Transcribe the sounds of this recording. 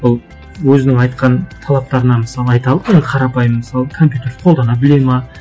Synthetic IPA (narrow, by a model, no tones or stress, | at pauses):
wolˠ | wɵzɪnɪŋɑjt̪qɑnt̪ʰɑlˠɑp̚t̪ɑɾənɑməsɑlˠəɑjt̪ɑlˠəpje̞nd̪ɪqʰɑɾɑpɑjmːəsɑlˠəkʰo̞mp̬ʲjut̪e̞ɾqʰo̞lˠd̪ɑnɑbɪlejmɑ